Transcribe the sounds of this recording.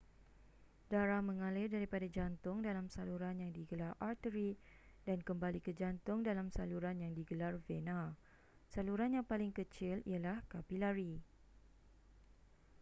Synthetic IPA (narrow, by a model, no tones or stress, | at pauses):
daɾamə̃ŋalɪrdaɾipadad͡ʒant̪ʊŋdalamsaluɾanjaŋdiɡəlarart̪əɾidankəmbalikəd͡ʒant̪ʊŋdalamsaluɾanjaŋdiɡəlarvena | saluɾanjaŋpalɪŋkət͡ʃɪlḭalahkapilaɾi